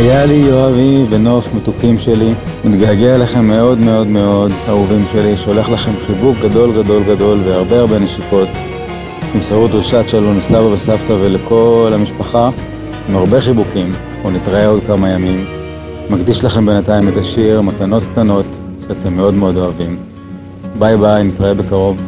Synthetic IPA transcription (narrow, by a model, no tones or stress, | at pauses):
hajalijoaviveno̞fmetukimʃe̞li | mit̪ɡaɡelaχe̞mːe̞o̞dme̞o̞dme̞o̞dauvimʃe̞liʃeo̞le̞χlaχe̞mχibuk̚ɡado̞lɡado̞lɡado̞lveaʁbe̞aʁbe̞neʃiko̞t | atemsaʁudʁiʃat͡ʃelonesavabesaftaveleko̞lhamiʃpaχa | imaʁbe̞χibukim | unitʁae̞o̞dkamajamimː | aɡdiʃlaχe̞mbe̞nataime̞t̪aʃiʁmat̪ano̞tkt̪ano̞tʃeat̪e̞mːe̞o̞dme̞o̞do̞avim | bajbajnit̪ʁae̞be̞kaʁo̞v